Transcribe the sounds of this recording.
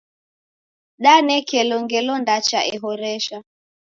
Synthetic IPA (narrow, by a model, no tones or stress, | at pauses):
ɗanɛkɛlɔŋɡɛlɔndat͡ʃaʔɛɦɔɾɛʃa